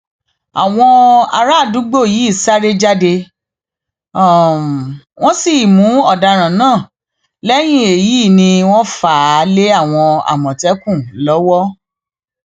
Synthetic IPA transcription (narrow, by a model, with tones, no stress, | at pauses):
a̰˨w̃ɔ̃˧a̰˧ɾa˦˨du˨˦ɡ͡bo˦˨jiː˨˦i˦˨sa˦ɾe˦d͡ʒa˦de˧˨ | w̃ɔ̃˦si˦˨mũ˨˦ɔ˦˨da˧ɾ̃ã˨nãː˦˨ | lɛ˦j̃ĩ˦˨e˨ji˨˦˨nĩ˧w̃ɔ̃˦faː˦˨˦le˦a˦˨w̃ɔ̃˧a̰˨mɔ̃˨tɛ˦kũ˦˨lɔ˨˦wɔ˦